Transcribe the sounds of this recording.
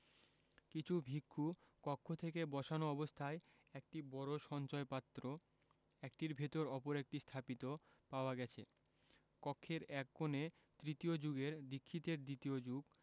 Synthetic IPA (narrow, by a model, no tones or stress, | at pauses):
kit͡ɕʰubʱikʰːukɔkʰːot̪ʰekebɔʃanoɔbost̪ʰae | ɛk̚ʈibɔɾoʃɔnt͡ɕɔepat̪ːɾo | ɛk̚ʈiɾbʱet̪oɾɔpoɾɛk̚ʈist̪ʰapit̪o | paoaɡɛt͡ɕʰḛ | kɔkʰːeɾɛk̚ɡone | t̪ɾit̪iod͡ʑuɡeɾd̪ikʰːit̪eɾd̪it̪ijod͡ʑuɡ